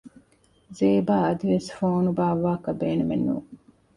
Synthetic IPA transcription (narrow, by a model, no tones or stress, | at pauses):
zeːbaːɐd̪iʋesfoːnubaːʋaːkɐbeːnumenːṵː